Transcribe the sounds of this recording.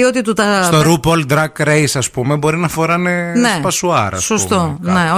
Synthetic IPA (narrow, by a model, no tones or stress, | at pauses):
iot̪it̪ut̪ɐst̪oɾupold̪ɾɐkɾejsɐspume̞bo̞ɾinɐfo̞ɾɐnenepɐsuɐ̰ɾɐ̰ssost̪one̞o